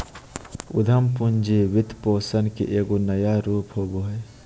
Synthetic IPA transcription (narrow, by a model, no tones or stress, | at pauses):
ʊ̰d̪ʱəmpund͡ʒeʋɪt̪poːsənkḛʔeːɡonɐjaɾuːpɦoːboːɦe